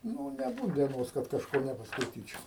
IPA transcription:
ˈnuː nʲɛˈbuːt dʲiɛˈnoːs kɐt kɐʃˈkoː nʲɛpɐskɐɪˈtʲiːt͡ʃʲɛʊ

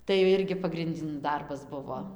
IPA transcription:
tɐɪ jɛʊ ˈɪrʲɡʲɪ pɐɡrʲɪnʲˈdʲɪn ˈdɐrbɐs ˈbʊʋoː

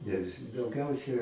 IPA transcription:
nʲɛs dɐʊˈɡʲɛʊsʲɛ

